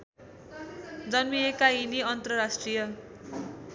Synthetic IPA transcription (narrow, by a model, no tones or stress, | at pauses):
d͡zʌnmiekainiʌnt̪rʌrasʈrijʌ